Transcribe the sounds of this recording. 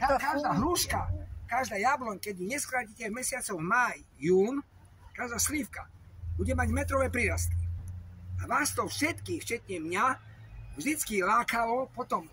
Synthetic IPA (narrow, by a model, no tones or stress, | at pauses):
akaʒd̪aːɦɾuːʃkakaʒd̪aːjablɔɲkɛɟuɲɛskɾaːcicɛmɛsɪat͡sɔɣmajːuːn | kaʒd̪aːslifkabuɟɛmaɟmɛt̪ɾɔʋɛːpɾiːɾast̪i | aʋast̪ɔfʃɛt̪kift͡ʃɛt̪ɲɛmɲavʒd̪it͡skilaːkalɔpɔt̪ɔm